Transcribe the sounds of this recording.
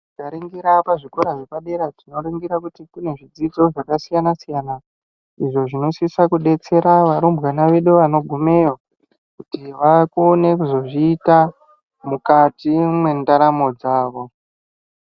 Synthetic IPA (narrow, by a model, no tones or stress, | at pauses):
ikaɾiŋɡiɾapaʐikoɾaʐepaɗeɾatino̞ɾiŋɡiɾakutikune̞ʐid͡zid͡zo̞ʐakasijanasijana | iʐo̞ʐino̞siisakuɗe̞t͡se̞ɾaʋaɾumbɣanaʋe̞ɗuʋano̞ɡʱume̞jo | kutiʋakuonekuzo̞ʐiːta | mukatimwe̞ndaɾamo̞d͡zaːʋo̞